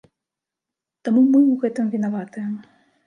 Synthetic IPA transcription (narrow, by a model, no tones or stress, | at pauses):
t̪amumɨwɣɛt̪ɨmvʲinavat̪ɨjəm